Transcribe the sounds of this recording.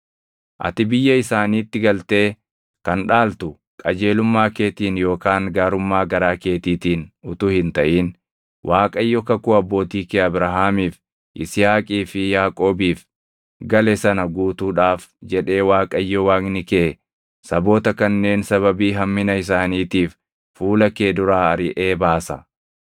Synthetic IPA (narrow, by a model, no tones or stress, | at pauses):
ʔɐ̰t̪ɪbɪjːɐɪsaːniːt̪ːɪɡɐlt̪e̞ː | kɐnᶑaːlt̪ʊ | kʼɐd͡ʒe̞ːlʊmːaːke̞ːt̪iːnjo̞ːkaːŋɡaːɾʊmːaːɡɐɾaːke̞ːt̪iːt̪iːnʊt̪uːhɪnt̪ɐʔiːn | wʔaːkʼɐɪjːɔkɐkʊɐbːo̞ːt̪iːkeɐbɾɐɦaːmiːf | ʔɪsɪjaːkʼiːfɪjaːkʼo̞ːbiːf | ɡɐlɛsɐnɐɡuːt̪uːᶑaːfd͡ʒɛᶑe̞ːwaːkʼɐɪjːɔwaːknɪke | sɐbo̞ːt̪ɐkɐnːe̞ːnsɐβɐbiːɦɐmːɪnɐɪs̬aːniːt̪iːfː | uːlɐkeːd̪ʊɾaːɐɾɪʔeːbaːsɐ